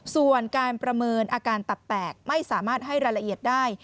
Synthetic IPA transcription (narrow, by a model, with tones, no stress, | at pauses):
su˨˩ənkaː˧npɾa˧mɤː˧nʔaː˧kaː˧nt̪a˨˩pːɛː˨˩k̚ma˥˩jsaː˩˦maː˥˩t̪̚ɦa˥˩jɾaː˧jɾa˧ʔi˨˩ət̪̚daː˥˩j